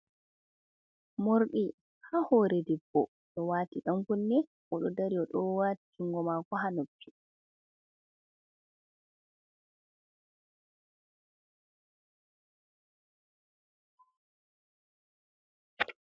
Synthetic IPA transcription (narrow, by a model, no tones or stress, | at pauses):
moɾɗi | hahɔɾɛdɛbːɔ | ɗɔwaːtiɗamkunːɛ | ʔɔɗɔdaɾijɔɗɔwaːtikʰiŋɡɔmakɔɦanopʰːi̥